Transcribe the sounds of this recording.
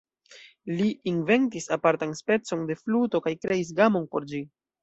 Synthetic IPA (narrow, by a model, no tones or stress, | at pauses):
liːnve̞ntisapaɾtanspe̞t͡so̞nde̞fluto̞kajkɾe̞is̬ɡamo̞npo̞ɾd͡ʒi